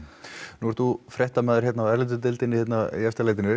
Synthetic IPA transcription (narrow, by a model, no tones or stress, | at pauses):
nuɛɾ̥t̪θufɾɛht̪amɛːðʏɾ̥çɛt̪naɛɾleːt̪̬ʏt̪ɪlt̪ɪnːɪhjɛt̪najɛfst̪alejt̪̬ɪnʏ